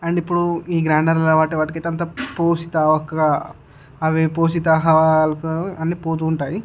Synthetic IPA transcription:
ɐɳɖipːuɽuiːɡɾaːɳɖɐɾlɐʋaːʈiʋaːʈɐkɐjt̪eɐnt̪̬apoːsit̪aːʋɐkːɐɡa | ɐʋipoːs̬it̪aːɦɐʋalɐkɐnːipoːt̪uːɳʈaːji

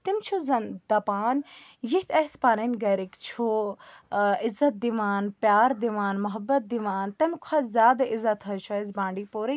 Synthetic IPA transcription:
t̪imt͡ʃʰuzɐnd̪ɐpaːnjiht̪ʰɐspaːɾɐnɡɐɾikt͡ʃʰu | ɪzɐt̪̚d̪iʋaːnpjaːɾd̪iʋaːnmɐɦɐbːɐt̪̚d̪iʋaːnt̪ɐmkʰɐzʲaːd̪ɪzɐt̪ɦɐt͡ʃʰɐzbãːɳɖiːpoːɾi

